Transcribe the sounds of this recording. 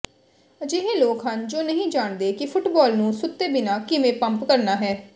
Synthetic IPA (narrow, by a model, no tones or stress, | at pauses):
d͡ʒeɦeːloːkɦənd͡ʒoːnəɦĩːd͡ʒaːɳd̪eːkɪpʰʊʈbɔːlnũːsʊt̪ːeːbɪnaːkɪmẽːpəmpkəɾnaːɦɛː